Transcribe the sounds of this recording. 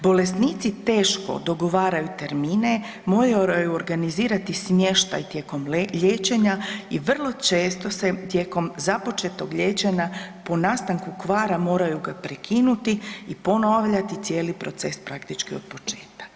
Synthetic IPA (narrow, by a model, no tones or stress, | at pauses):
bole̞snit̪sit̪e̞ːʃko̞̰d̪o̞ɡo̞ʋaːɾajut̪e̞ɾmine̞ | mo̞ːɾaɾajuoɾɡaniziːɾat̪ismje̞ʃt̪a̰jt̪je̞ːko̞mʎeːt͡ʃe̞ɲaiʋr̩lˠo̞t͡ʃeːst̪o̞se̞t̪je̞ːko̞mzapo̞t͡ʃe̞t̪o̞ɡʎe̞ːt͡ʃe̞ɲaponaːst̪aŋkukʋaːɾamo̞ːɾajuɡapɾekʰinut̪iːpo̞noʋʎat̪it̪sje̞ːlipɾo̞t̪se̞spɾakt̪it͡ʃkio̞̰d̪̚po̞t͡ʃe̞ːt̪̚kḁ